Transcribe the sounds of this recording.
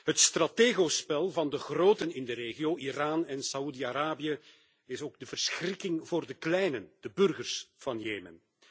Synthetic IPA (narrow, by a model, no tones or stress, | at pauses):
ɦətst̪rateːɣospɛlˠvɑndəɣroːtənɪndəɾeːɣijoːʔiraːnɛnsaudiaɾaːbijə | ɪsoːɡ̚dəvərsxrɪkɪŋvoːrdəklɛjnənd̥əbʏrɣərsv̥ɑnjeːmə̰n